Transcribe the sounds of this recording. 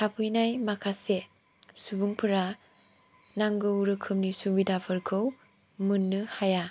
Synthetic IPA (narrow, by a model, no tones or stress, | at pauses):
tʰapʰɯjnajmakʰase | subuŋpʰɯɾa | naŋɡɯwɾɯkʰɯmnisubidapʰɯɾkʰɯw | mɯnːɯhaja